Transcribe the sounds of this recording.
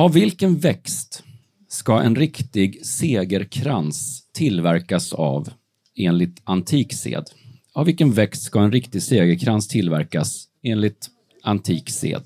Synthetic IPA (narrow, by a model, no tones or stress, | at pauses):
avːɪlkənvɛkst̪ | skaʔɛ̰nɾɪkt̪ɪɡseːɡəɾkʰɾanst̪ʰːɪlvæɾkasa̰v | eːnlɪt̪ant̪ʰiːksḛːd̪ | avɪlkənvɛkst̪skaɛnɾɪkt̪ɪɡseːɡəɾkʰɾanst̪ʰɪlvæ̰ɾkas | eːnlɪt̪ | ant̪ʰiːksḛːd̪